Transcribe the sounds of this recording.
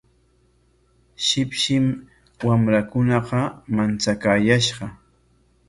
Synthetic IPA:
ʃɪpʃɪm | wamɾakʊnɑqɑmant͡sakaːjaʃɢɑ

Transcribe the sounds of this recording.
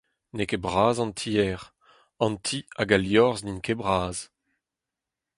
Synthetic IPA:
nekebʁaːzɑ̃nt̪ʰiɛʁ | ɑ̃nt̪ʰiaɡaljɔʁzninkebʁaːz̥

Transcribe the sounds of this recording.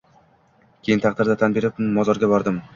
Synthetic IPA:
kʲʰe̞jɪnt̪ʰɑqd̪ɪɾd̪at̪ʰanbe̞ɾɪp̚mːɒzɒɾɡʲabɒɾd̪ɪm

